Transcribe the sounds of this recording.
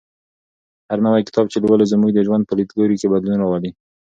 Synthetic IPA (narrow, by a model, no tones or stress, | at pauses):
haɾnawajkɪ̥t̪ɑbt͡ʃelwalezəmuɡd̪əʒwand̪̚pəlit̪ɡɑɾikebad̪lunɾɑwali